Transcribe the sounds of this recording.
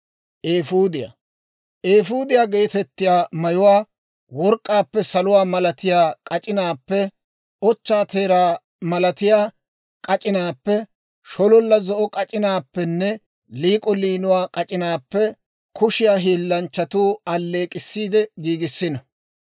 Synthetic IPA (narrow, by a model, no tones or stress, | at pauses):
ʔeːfuːd̪ɪja̰ | ʔeːfuːd̪ɪjaːɡe̞ːt̪ɛt̪ːɪjaːmɐjʊwaː | wɔɾkʼːaːpːɛsɐlʊwaːmɐlɐt̪ɪjaːkʼɐt͡ʃʼɪnaːpːɛ | ɔt͡ʃːaːt̪ʰe̞ːɾaː | mɐlɐt̪ɪjaː | kʼɐt͡ʃʼɪnaːpːɛ | ʃɔlɔlːɐzɔʔɔkʼɐt͡ʃʼɪnaːpːɛnːɛ | liːkʼɔliːnʊwaːkʼɐt͡ʃʼɪnaːpːɛ | kʰʊʃɪjaːɦiːlːɐnt͡ʃːɐt̪uːɐlːe̞ːkʼɪsːiːd̪ɛɡiːɡɪsːɪnɐ